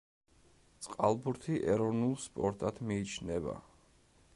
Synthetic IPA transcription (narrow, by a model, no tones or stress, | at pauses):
t̪sʼqʼalˠbuɾt̪ʰiʔɛɾɔvnulˠspʼɔɾt̪ʼad̪miːt͡ʃʰnɛba̰